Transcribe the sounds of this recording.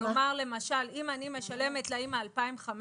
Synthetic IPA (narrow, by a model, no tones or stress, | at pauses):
maʁle̞maʃalimanime̞ʃale̞met̪laimaːlpaimχam